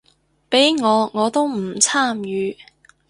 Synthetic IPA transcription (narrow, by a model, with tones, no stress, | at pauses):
pe˨˥jŋɔː˨˧ŋɔː˨˧t̪o˥wm̩˨˩t͡sʰaː˥˩mjyː˨˧